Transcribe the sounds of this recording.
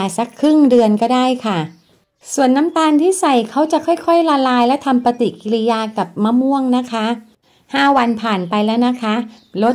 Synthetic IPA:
a˨˩sa˦˥kʰːɾɯ˥˩ŋdɯ˧ənkɔː˥˩daː˥˩jkʰa˥˩ | su˨˩ənːa˦˥mt̪aː˧nt̪ʰiː˥˩sa˨˩jkʰa˦˥wt͡ɕa˨˩ʔkʰɔ˥˩jkʰɔ˥˩jla˧laː˧jlɛ˦˥wt̪ʰa˧mpa˧t̪i˨˩ki˧li˧jaː˧ka˨˩p̚ma˦˥mu˥˩əŋna˦˥kʰa˦˥ | haː˥˩wa˧npʰaː˨˩npa˧jlɛː˦˥wna˦˥kʰa˦˥ | lo˦˥

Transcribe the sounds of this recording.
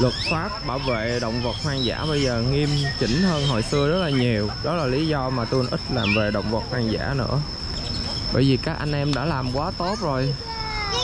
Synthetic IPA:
lwə˨˩t̚faː˦˥p̚ɓaː˧˩wvḛ˧˨ɗə̰˧˨wŋ͡mvə˨˩t̚hwaː˧ŋza̰ː˧˥ɓə˧jzəː˨˩ŋi˧mt͡ɕḭ̈˧˩ŋ̟həː˧nɦo̰˧˨jsɨ˧əzə˦˥t̚laː˨˩ɲi˨˩əwɗɔ˨˦laː˨˩li˨˦zɔ˧maː˨˩t̪u˧nʔï˦˥k̟̚laː˨˩mve˨˩ɗə̰˧˨wŋ͡mvə˨˩t̚haː˧ŋza̰ː˧˥nɨ̰˧˥ə | ɓə̰˧˩jvi˨˩kaː˦˥k̚ʔa˧jŋ̟ʔɛ˧mɗa̰ː˧˥laː˨˩mkwaː˨˦t̪o˦˥t̚zo˨˩j

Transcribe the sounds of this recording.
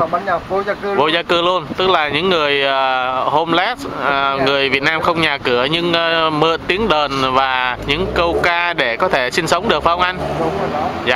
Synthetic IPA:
vo˧zaː˧kɨ˧lu˧ənt̪ɨ˦˥k̚laː˨˩ɲɨ̰˧˥ŋːɨ˨˩əjʔːho˧mlɛ˦˥t̚ːŋɨ˨˩əjvi˨˩ət̚naː˧mxə˧wŋ͡mɲaː˨˩kɨ˧˩əɲɨ˧ŋ˧mə̰ː˧˨nt̪i˨˦əŋɗəː˨˩nvaː˨˩ɲɨ̰˧˥ŋkə˧wkaː˧ɗe˧˩kɔ˨˦t̪ʰe˧˩sï˧nsə˨˦wŋ͡mɗɨ˨˩ək̚fə˧wŋ͡mʔa˧jŋ̟ | zaː˧

